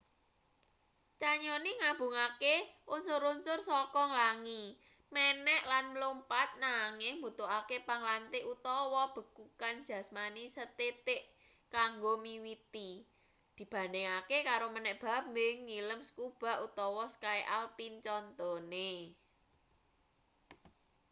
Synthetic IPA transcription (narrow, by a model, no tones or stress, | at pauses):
t͡ʃaɲɔniŋab̥ṳŋakeʔʊnsuɾʊnsʊrsɔkɔŋlaŋi | mɛnɛʔlanməlumpat̪̚naŋɪŋbut̪oʔakepaŋlant̪eʔut̪ɔwɔb̥ə̤kukand̥d͡ʒ̥ä̤smanisət̪et̪ɪʔ | kaŋɡomiwit̪i | d̪̥i̤b̥ä̤neŋakekaɾomənɛʔb̥a̤p̚mɪŋːiləmskub̥a̤ʔut̪ɔwɔskaeʔalpint͡ʃɔnt̪ɔne